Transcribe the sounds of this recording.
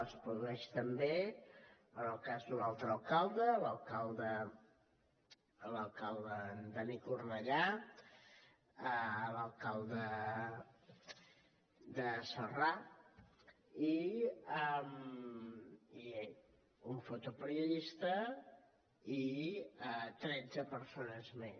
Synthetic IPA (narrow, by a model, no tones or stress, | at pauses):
əspɾuðuɛʃt̪əmbe | ənəlˠkazd̪unalˠt̪ɾəːlˠkalˠd̪ələlˠkalˠd̪ə | ləlˠkalˠd̪əd̪ənikurnəʎa | ələlˠkalˠd̪ə | d̪əsəra | iəm | ie | uɱfot̪upəɾiuðist̪ə | iət̪ɾɛd͡zəpəɾsonəzme